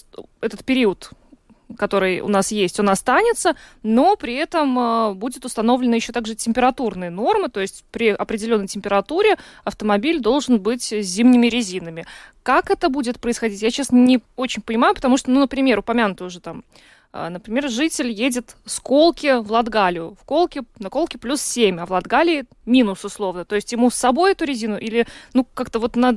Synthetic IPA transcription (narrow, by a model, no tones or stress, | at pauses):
ɛt̪ət̪̚pʲɪɾʲiət̪ | kɐt̪o̞ɾɨjʊ̰nasjesʲtʲo̞nɐst̪anʲɪt̪səno̞pɾʲɪɛt̪əməbudʲɪt̪ʊst̪ɐno̞vlʲɪnəjɪɕːot̪aɡʐɨtʲɪmʲpʲɪɾɐt̪urnɨjəno̞rmɨt̪o̞jɪsʲtʲpɾʲɪʔɐpɾʲɪdʲɪlʲo̞nːəjtʲɪmʲpʲɪɾɐt̪uɾʲɪɐft̪əmɐbʲilʲd̪o̞lˠʐɨnbɨtʲzʲimnʲɪmʲɪɾʲɪzʲinəmʲɪkakɛt̪əbudʲɪt̪pɾəɪsxɐdʲitʲjat͡ɕesnənʲɪo̞t͡ɕɪnʲpənʲɪmajʊpə̥t̪ɐmuʂt̪onunəpɾʲɪmʲe̞ɾʊpɐmʲanʊt̪əʊʐɨt̪am | ə̰nəpɾʲɪmʲe̞rʐɨtʲɪlʲjedʲɪt̪sko̞lˠkʲɪvlˠɐd̪ɡalʲɪjʊfko̞lˠkʲɪnəko̞lˠkʲɪplʲussʲemʲɐvlˠɐd̪ɡalʲɪː | mʲinʊsʊslˠo̞vnət̪o̞jɪsʲtʲjɪmusːɐbo̞jɛt̪ʊɾʲɪzʲinʊʔilʲɪnukakt̪əvo̞t̪nə